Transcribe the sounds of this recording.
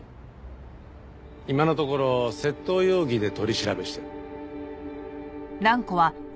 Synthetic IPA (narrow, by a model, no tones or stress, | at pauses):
imano̞t̪o̞ko̞ɾo̞se̞t̪ːo̞ːjoːɡʲid̪e̞t̪o̞ɾʲiɕiɾabe̞ɕi̥t̪a | ɾãŋko̞βa